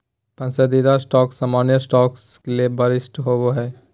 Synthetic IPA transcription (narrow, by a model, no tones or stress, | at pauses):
pɐ̃nsəd̪id̪asʈɔːksaːmaːnjəsʈɔːkskeliebɐɾɪsʈɦoboɦɛː